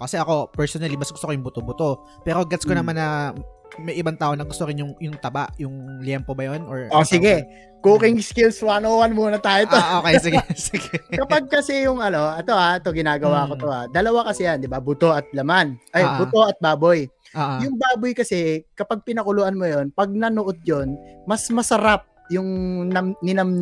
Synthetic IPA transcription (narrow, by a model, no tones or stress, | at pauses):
kɐsɛʔɐko̞pɛɹsonɐlimɐsɡʊst̪okojʊŋbʊt̪obʊt̪o | pɛːɾoɡɛt̪skonɐmanːɐ | mɐjʔɪbaŋt̪aːʔonɐɡʊst̪oɾɪnjʊŋjʊŋt̪ɐba̰ʔjʊŋljɛmpobɐjonʔoɹʔosɪɡɛ | kuːkɪŋskɪlswanoːwɐnmuːnɐt̪aːjot̪ooːkejsɪɡɛsɪɡɛkɐpaɡ̚kɐsɛjʊŋʔɐno̞ʔɛt̪o̞ʔaʔɛt̪o̞ɡɪnaːɡɐwaːko̞t̪o̞ʔa̰d̪ɐlɐwakɐsɛjand̪ɪbabʊt̪o̞ʔɐt̪̚lɐmanʔɐjbʊt̪o̞ʔɐt̪̚baːboj | ʔoʔjʊŋbaːbojkɐsɛkɐpaɡ̚pɪnɐkʊlʊʔanmojo̞npɐɡ̚nɐnoʔod̪̚jo̞nmɐsmɐsɐɾap̚jʊŋnɐmnɪnɐm